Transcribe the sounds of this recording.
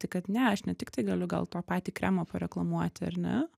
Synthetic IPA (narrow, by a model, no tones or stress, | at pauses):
t̪ɐɪkɐt̪nʲɛɐʃnʲɛt̪ʲɪkt̪ɐɪɡɐlʲʊɡɐ̰lˠt̪oːpɑːt̪ʲiːkɾʲæːmoːpɐɾʲɛklˠɐmuɔt̪ʲɐ̰ɾnʲɛ̰